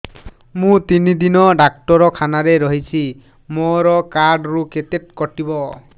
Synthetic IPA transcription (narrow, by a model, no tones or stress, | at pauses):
mũt̪inid̪inɔɖak̚ʈɔɾɔkʰanaɾeɾɔɦit͡ʃʰi | moɾɔkaɾɖɾuket̪eʈkɔʈibɔ